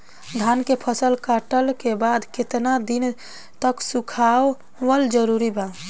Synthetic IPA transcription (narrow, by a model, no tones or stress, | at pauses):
d̪ʱankepʰəsəlkaʈəlkebad̪ket̪nad̪in | t̪əksukʰawː | əld͡ʒəɾuɾiba